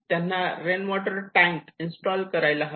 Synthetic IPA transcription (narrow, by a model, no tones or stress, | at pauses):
t̪janːaɾenʋɔʈəɾʈæ̃ŋkinsʈɔlkəɾajlaɦ